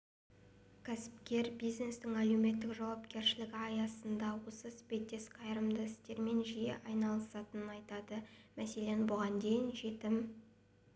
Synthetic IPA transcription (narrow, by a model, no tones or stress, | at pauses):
kʲʰæsɪ̥p̚kʲe̞ɾbijzne̞st̪ɪŋælume̞t̪ːɪkʒɑwɑpkʲe̞ɾʃɪlɪɡʲɪɑjɑsənd̪ɑwosəsbet̪ːe̞sqʰɑjɾəmd̪əɪst̪e̞ɾme̞nʒijḛʔɑjnɑlˠəsɑt̪ənənɑjt̪ɑd̪əmæse̞le̞nbʊʁɑnd̪e̞jɪnʒe̞t̪ɪm